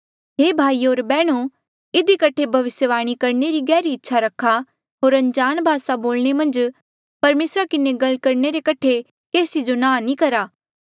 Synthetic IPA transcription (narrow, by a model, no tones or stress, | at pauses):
ɦeːbʱaːioːɾbɛːɽ̃o | ɪd̪ikɐʈʰebʱɐʋɪsjəʋaːɽ̃ikɐɾneɾiɡɛːɾiɪtːʃʰaɾɐkʰːa | ɦoːɾɐ̃ɲd͡ʒaːnbʱaːsaboːlɽ̃emɐ̃nd͡ʒ | pɐɾmeːsɾakɪneɡɐlkɐɾneɾekɐʈʰe | keːsid͡ʒonãːnĩkɐɾaː